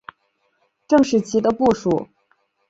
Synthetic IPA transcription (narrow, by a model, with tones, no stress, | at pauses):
ʈ͡ʂɤ˥˧ŋʂɻ̩˥˩t͡ɕʰi˧˥d̪ə˧pu˥˩ʂu˨˩˦